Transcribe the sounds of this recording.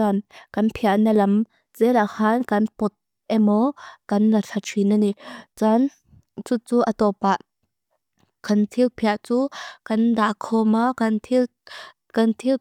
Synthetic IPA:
ankɐnpʰiaʔnɐlɐm | t͡sɛlaʔhaːnkɐnpɔt̪̚ | ʔɛmɔkɐnlɐt͡ɬʰaʈ͡ʂʰinɐnit͡san | t͡sut͡suːʔɐt̪ɔpaʔ | kɐnt̪ʰilpʰiaʔt͡suːkɐndakʰɔmakɐnt̪ʰ | kɐnt̪ʰil

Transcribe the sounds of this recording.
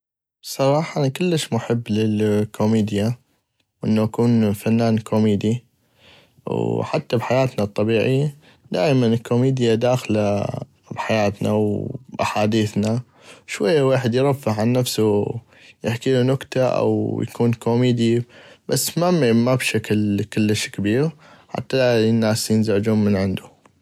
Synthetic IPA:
sˤɑɾˤɑːħɑʔnkɪlːəʃmʊħɪbːlɪlkʰomiːd̪ja | wʔɪ̰nːoʔakuːnfanːaːnkʰomiːd̪i | wħat̪ːabħajaːt̪nat̪ˤːɑbiːʕɪjːa | d̪a̰ːʔmanɪkʰːomiːd̪jad̪aːxla | bħajaːt̪na̰wʔaħaːd̪iːθna | ʃwajːawaːħɪd̪jɾˤɑfːaħʕanːafsu | jɪħkiːlunʊkt̪aʔa̰wja̰kʰuːnkomiːd̪ibasːmamabʃaklkʊlːəʃkabiːɣħa̰t̪ːanːaːsjɪnzaʕd͡ʒuːnmənʕɪnd̪u

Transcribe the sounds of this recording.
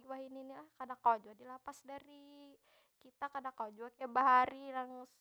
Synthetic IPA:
iwaɦininilahkadakawad͡ʒuadilapasdaɾi | kit̪akadakawad͡ʒuakabaɦaɾilaŋs

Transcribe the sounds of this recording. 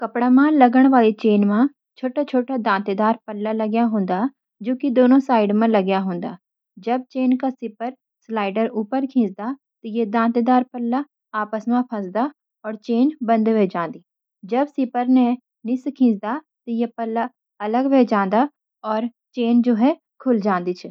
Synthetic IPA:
kɐpɽamãlɐɡəɽ̃ʋaːlit͡ʃeːnmã | t͡ʃʰoːʈat͡ʃʰoːʈad̪ãːnt̪ed̪aːɾpɐlːalɐɡjaɦõːnd̪a | d͡ʒoːkid̪oːnõsaːɪɖmẽlɐɡjaɦõːnd̪aː | d͡ʒɐb̚t͡ʃeːnkasɪpəɾ | slaːɪɖəɾuːpəɾkʰĩːt͡ʃd̪a | t̪ojed̪ãːt̪ed̪aːɾpəlːa | aːpəsmãpʰɐ̃sd̪a | ɔːɾt͡ʃeːnbɐ̃nd̪ʋed͡ʒãːnd̪iː | d͡ʒɐbsɪpəɾne | nɪskʰĩːt͡ʃd̪a | t̪ɔjepɐlːa | ɐləɡʋed͡ʒãːn̆d̪a | ɔːɾ | t͡ʃeːnd͡ʒoːɦɛ | kʰʊld͡ʒãːnd̪it͡ʃʰɛ

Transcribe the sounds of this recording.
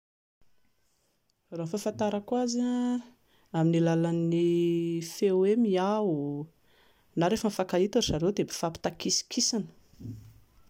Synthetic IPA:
rafafant̪aɾakwaza | aminilalanːifewemiau | naɾefəmfakait̪uzaɾed̪ebi̥fapi̥t̪akisi̥kʰisanə̥

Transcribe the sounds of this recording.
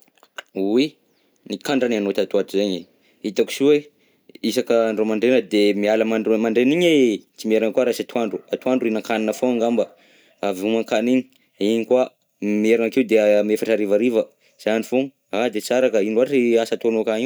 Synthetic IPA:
wi | nikaɳɖ͡ʐananot̪at̪uaʈ͡ʂizeɲe | it̪aku̥suwe | isakəɳɖ͡ʐomaɳɖ͡ʐenəd̪emialəmamaɳɖ͡ʐeniɲet͡simeɾankuaɾasat̪uaɳɖ͡ʐuat̪uaɳɖ͡ʐuinaŋkaninəfoaŋɡamba | avumaŋkaniɲi̥ | iɲikwa | mieɾanakiud̪emefaʈ͡ʂaɾivaɾivə | z̥anifoŋ | ad̪et͡saɾakəinuaʈ͡ʂiasat̪onokaɲiw

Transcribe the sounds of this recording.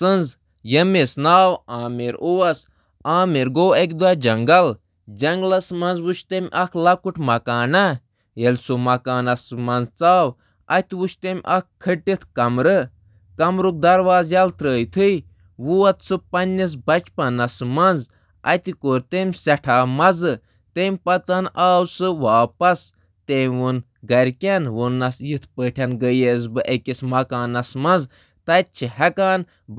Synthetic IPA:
sɨnz | jɐmesnaːwaːmeɾowɐs | aːmeɾɡoːek̬ʲd̪wad͡ʒɐŋɡɐl | d͡ʒɐŋɡlɐsmɐ̃nzʋut͡ʃʰt̪emʲʔɐkʰlɐkuʈʰmɐkaːnɐ | jelʲsomɐkaːnɐsmɐnzt͡saːw | ɐ̰t̪ʋuʃʰt̪emʲʔɐkkʰːɨʈːit̪ʰkɐmɾɨ | kɐmɾuk̚d̪ɐɾʋaːzjɐlt̪ɾəːjt̪ʰɨ | ʋuɐt̪sɨpɐnʲːis̬bɐt͡ʃpɐnɐsmɐnz | ɐ̰t̪ikoːɾʲt̪emʲsɛʈʰaːmɐzɨ | t̪emʲpɐt̪ɐnaːwsɨʋaːpɐs | t̪eːmʲʋun | ɡɐɾʲkʲenwunːɐsjit̪ʰpəːʈʰɐnɡəjezbɨʔekʲismɐkaːnɐsmɐnz | t̪ɐt̪̚t͡ʃʰihɛkaːn

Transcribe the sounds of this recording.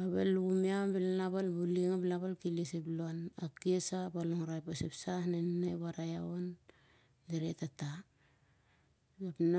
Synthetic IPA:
aβḛluɡumiabilanaβalbuliŋabilaβalkiliseplonakiesabaloŋɾajpasepsahnennaβaɾajaon | deɾḛtata | apn

